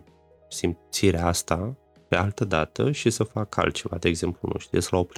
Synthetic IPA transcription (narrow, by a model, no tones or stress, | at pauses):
simt̪siɾeast̪a | pe̞alt̪əd̪at̪əʃisəfakʰa̰lt̪̚t͡ʃe̞va̰d̪e̞eɡze̞mplunṵʃt̪ijeslaopɾ